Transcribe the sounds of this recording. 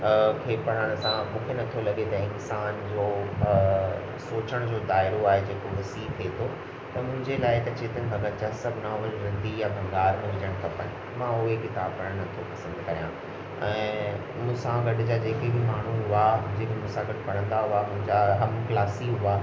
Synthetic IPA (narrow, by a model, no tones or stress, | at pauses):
kʰeːpɐɽ̤əɽ̃ʊsãmũːkʰenɐt̪ʰolɐɠet̪ɐɪnsaːnd͡ʑoː | soːt͡ɕəɽ̃d͡ʑoːd̪aːɪɾoaːɦed͡ʑeːkoʋɐsiːk̪ʰet̪ʰo | t̪ɐmʊ̃ɦɪ̃ɲd͡ʑelaːɪt̪ɐt͡ɕeːt̪ənɪ̆bʱɐɡəɾt͡ɕasɐbʱnaːʋəlɾɐ̃nd̪ijãbʱɐ̃ŋɡaːɾʊ̃ɦɪd͡ʑəɽ̃kɐpənɪ | mãʊɦekɪt̪ab̚pɐɽəɽ̃nɐt̪ʰopɐsə̃nd̪kɐɾijã | ɛ̃ː | mʊ̃ːsãɡɐɖʊd͡ʑad͡ʑeːkebʱimaːɳ̤uɦʊad͡ʑeːkemʊ̃sãɡɐɽpɐɽ̤ə̃nd̪aɦʊamʊ̃ɦɪ̃ɲd͡ʑaɦɐmklaːsiɦʊa